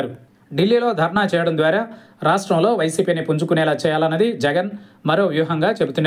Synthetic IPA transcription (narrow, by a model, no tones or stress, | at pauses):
ɾu | ɖilːiːlo̞ːd̪ʱɐɾɐɳaːt͡ʃɛːjɐɽɐnd̪ʋaːɾaː | ɾaːʂʈɾɐmlo̞ːʋɐjsiːpiːnipuɲd͡ʒukunɛːlaːt͡ʃɛːjaːlɐnːɐd̪id͡ʒɛɡɐnmɐɾo̞ːʋjuːɦɐŋɡaːt͡ʃe̞but̪unːa